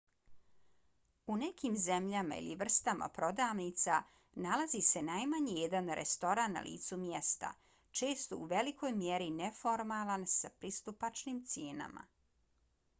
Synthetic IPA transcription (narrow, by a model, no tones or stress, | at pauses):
une̞kimzemʎama̰ḭlḭʋr̩st̪ama̰pɾo̞d̪aːʋnit̪sa | nalazise̞najmaɲijed̪anɾʔḛst̪o̞ɾanːa̰lʔḭːt̪sumje̞st̪a̰ | t͡ʃe̞ːst̪ouʋe̞likʰo̞ːjmjeɾinefo̞ɾmalˠansapɾist̪upat͡ʂniːmt̪sjeːna̰ma̰